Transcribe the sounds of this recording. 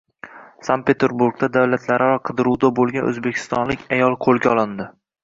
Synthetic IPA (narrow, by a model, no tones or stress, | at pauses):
san̚pʰe̞t̪ʰeɾbuɾɡ̚d̪ad̪awlat̪ʰlaɾɪɾɒqʰɨd̪ɪɾuwd̪abolˠɡʲanʔɵ̰zbe̞kʲʰɪ̥st̪ɒnlɪkʲʰajɒlˠqʰolˠɡʲaɒlˠɪnd̪ɪ